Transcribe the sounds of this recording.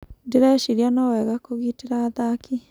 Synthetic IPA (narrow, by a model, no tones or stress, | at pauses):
ndeɾaʃiɾianɔwɛɣakoɣiteɾaːðaki